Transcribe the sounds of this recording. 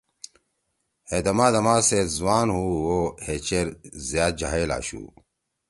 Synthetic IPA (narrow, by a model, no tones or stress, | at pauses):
hed̪ɐmaːd̪ɐmaːsezwaːnɦuwohet͡ɕeɾzjaːt̪̚d͡ʑaɦela̰ːɕṵː